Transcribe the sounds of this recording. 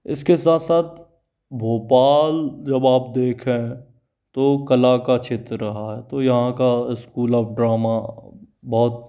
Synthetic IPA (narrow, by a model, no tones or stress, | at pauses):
ɪ̰skesaːt̪saːt̪̚ʰ | bʱoːpaːld͡ʒɐbaːp̚d̪eːkʰɦẽ | t̪okɐlakat͡ʃʰɪt̪ɾɾɐɦaɦɛt̪ojɐɦãkaɪskuːlɔːpɖɾaːma | bɔːt̪̚